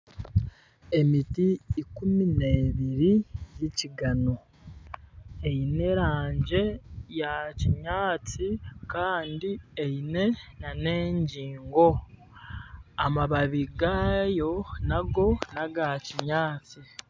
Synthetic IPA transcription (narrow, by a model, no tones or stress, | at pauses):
e̞mitiːkumineːβiɾijiciɡano̞ | e̞jine̞ɾaːɲɟe̞jaciɲaːt͡sikaːndiejine̞nane̞ːɲɟiːŋɡo̞ | amaβaβiɡajo̞naɡo̞naɡaciɲaːt͡si